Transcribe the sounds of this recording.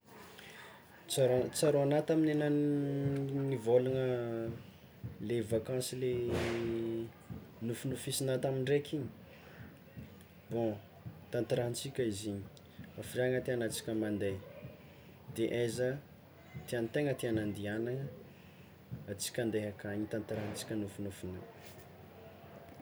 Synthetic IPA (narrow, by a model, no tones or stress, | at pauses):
t͡saɾt͡saɾoanat̪aminena | nivolaŋə | levakãsile | nufunufisinat̪amiɳɖ͡ʐekiɲi̥ | b̥õ | t̪ãnt̪aɾant͡sikʲəiziɲi̥ | afiraŋət̪eanat͡si̥kʲəmand̪e | d̪̥eʔazə | t̪iant̪eŋət̪ianand̪ianaŋə | at͡si̥kʲand̪eɦakaɲit̪ant̪ɾant͡si̥kʲənufunufuna